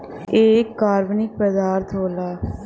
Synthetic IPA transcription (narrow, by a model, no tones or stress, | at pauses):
eːkːaːɾbnɪk̚pəd̪aːɾt̪ɦoːlaː